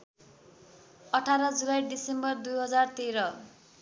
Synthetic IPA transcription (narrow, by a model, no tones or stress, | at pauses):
ʌʈʰaɾʌd͡zulajɖisembʌrd̪ujɦʌd͡zart̪eɾʌ